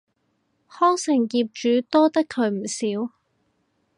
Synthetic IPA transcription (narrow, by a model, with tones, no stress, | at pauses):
hɔː˥ŋsɪ˨˩ŋkiː˧p̚t͡ʃyː˨˥t̪ɔː˥t̪ɐ˥kʰːɵ˨˧ɥm̩˨˩siː˨˥w